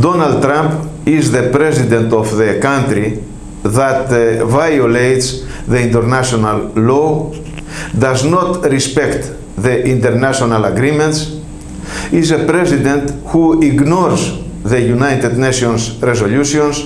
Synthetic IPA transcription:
d̪onald̪̚t̪ɾãmpizðəpɾɛzid̪ẽnt̪ofðəkãnt̪ɾi | ðat̪vajolejt̪s | ðeĩnt̪əɾnaʃonalːo | d̪aznɔt̪ɾispɛkt̪ | ðəʔĩnt̪eɾnaʃonalaɡɾimɛ̃nt̪s | izəpɾɛzid̪ẽnt̪huiɡnɔɾz | ðəjunajt̪ed̪neʃiõnsɾezoluʃiõns

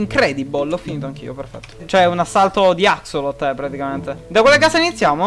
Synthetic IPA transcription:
iŋkɾɛːd̪ibolɔfiniːt̪oaŋk̟ḭoperfɛ̰t̪ːo̥t͡ʃoɛunasːalt̪od̪iaksolot̪ːɛpːɾat̪ikament̪ed̪akːwelːekaːseinit̪sːjaːmo

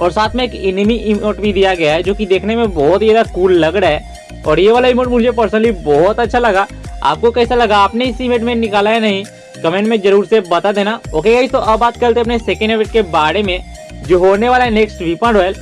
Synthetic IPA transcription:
ɔːɾsaːt̪ʰmẽeːkɪnmiʔɪmoːʈbʱid̪ijaɡɐjaɦɛd͡ʒoːkid̪eːkʰnemẽbɔːt̪iaːd̪akuːlːɐɡɽaɦɛː | ɔːɾjeʋaːlaɪmoːʈmʊd͡ʒʱepəɾsnəlibɔːɦt̪ɐtːʃʰalɐɡa | a̰ːp̚kokɛːsalɐɡaːpneɪsɪmeːʈmẽnɪkaːlaɦɛnɐɦĩ | kɐmẽɳʈmẽd͡ʒɐɾuːɾsebɐt̪ad̪eːnaoːkeɡɐit̪oʔɐbbaːt̪̚kɐlt̪eɐp̬neseːkə̃ɳɖeʋɪʈ̚kebaːɽemẽd͡ʒoːɦoːneʋaːlaɦɛneːksʈʋipə̃ɳɖʋɛl

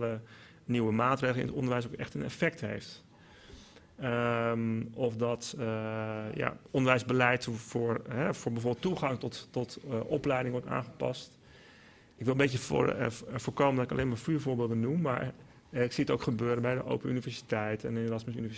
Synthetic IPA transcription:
lə | niwəmaːtreːəl̩ˠɪ̰nə̰tɔ̰ndəɹʋɛjs̬okɛ̰χtənɛ̰fɛk̚tɦḛjft | mɔfdɑt | ja̰ɔndəʋɛjzbəlɛjtvʊːɹɦɛvʊːɹbɛvoːɹbɪlˠtuχɑŋtɔtɔtʔɔplɛjdɪŋʋɔɹta̰ːχəpɑ̰st | ɪkʋɪlˠəmbetjə̰ | vʊːɹkowməndɔtɪkɑ̰lejmaɹfyːɹvʊːɹbɪːlˠdənumːa̰ːɹ | ɪksiətowkχəbøːɾənbɛjdə̰ʔo̰wpəynivɛɹsi̥tɛjtɛnərɑsməsy̰nivɛ

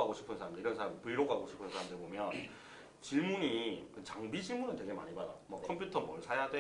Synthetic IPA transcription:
aɡoɕʰi̥pʰɯnsʰaɾamdɯɭiɾʌnsʰaampɯɭɾoɡɦaɡoɕʰi̥pʰɯnsʰaɾamndɯɭbomjʌn | t͡ɕiɭmuɲikɯt͡ɕaŋbid͡ʑiɭmunɯntwe̞ɡe̞ma̰ɲibadamwʌkʰʌmpʰjutʰʌmʌɭsʰajadwe

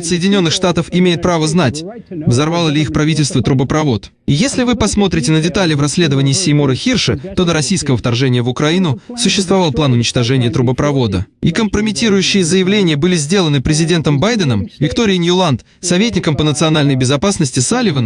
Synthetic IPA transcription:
t̪səjɪdʲɪnʲo̞nːɨxʂt̪at̪əfɪmʲejɪt̪̚pɾavəznatʲvzɐrvalˠəlʲɪixpɾɐvʲitʲɪlʲst̪vət̪ɾʊbəpɾɐvo̞t̪ | ijesʲlʲɪvɨpɐsmo̞t̪ɾʲɪtʲɪnədʲɪt̪alʲɪvrɐsʲːlʲe̞d̪əvənʲɪːsʲɪjmoɾəxʲirʂɨt̪o̞d̪əɾɐsʲijskəvəft̪ɐrʐɛnʲɪjəvʊkɾɐinʊsʊɕːɪst̪vɐvɑlˠplˠanʊnʲɪt͡ɕt̪ɐʐɛnʲɪjət̪ɾʊbəpɾɐvo̞d̪ə̰ikəmpɾəmʲɪtʲiɾʊjʉɕːɪjəzəjɪvlʲenʲɪjəbɨlʲɪzʲdʲe̞lˠənɨpɾʲɪzʲɪdʲe̞nt̪əmbajd̪ənəmvʲɪkt̪oɾʲɪjənʲjʊlˠant̪ | sɐvʲetʲnʲɪkəmpənət̪sɨɐnalʲnəjbʲɪzɐpasnəsʲtʲɪsalʲɪvən

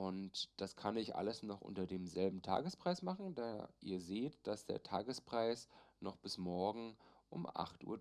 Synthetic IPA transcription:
ʔʊntd̥askʰanɪçʔa̰ləsnɔχʔʊ̰ntɐdeːmzɛlbm̩tʰa̰ːɡəspʁ̥aɪsmaχn̩da̰ːʔḭːɐzeːtd̥asd̥ḛːɐtʰa̰ːɡəspʁ̥aɪsnɔχb̥ɪsmɔɐɡŋ̩ʔʊmʔa̰χtʔṵːɐ

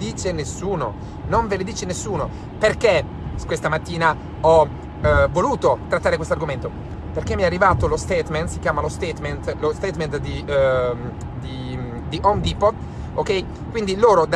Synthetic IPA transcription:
d̪iːt͡ʃenesːuːno̰ | noɱveled̪iːt͡ʃenesːuːno | perke | kwest̪amat̪ːiːna | ɔ | vːoluːt̪ot̪ɾat̪ːaːɾekwest̪oarɡoment̪o | perk̟emːiɛarːivaːt̪olost̪ɛːt̪ment̪sikjaːmalost̪et̪ment̪lost̪eːt̪ment̪d̪i | d̪i | d̪iʔond̪ipo | okɛj | kwind̪iloːɾod̪

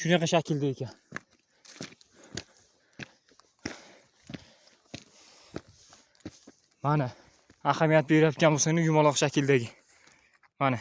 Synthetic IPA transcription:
ʃʊnaqaʃakʰʲɪld̪aekʲan | mana | ahamijat̪̚beɾjat̪kʲanbosanɪjʊmɒlˠɑqʃakʲʰɪld̪aɡʲɪ | mana

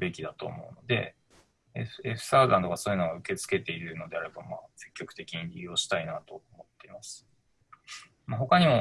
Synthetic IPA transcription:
be̞kʲid̪at̪o̞̰ːmo̞̰ɯ̟no̞d̪e̞̰ | eeɸɯ̟̥saːd̪ãnt̪o̞kasoːjɯ̟noɡaɯ̟ke̞t͡sɨ̥ke̞t̪e̞iɾɯ̟no̞d̪e̞aɾe̞bamaːse̞̥kʲːo̞kɯ̟t̪e̞kʲiɲ̟iɾʲijo̞ːɕi̥t̪ainat̪o̞omo̞t̪ːe̞imasɨ̥ | maɦo̞kaɲ̟imo̞

